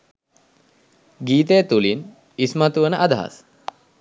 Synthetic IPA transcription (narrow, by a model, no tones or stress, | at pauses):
ɡiːt̪ejət̪ulin | ismat̪uʋənəʔad̪aɦa̰s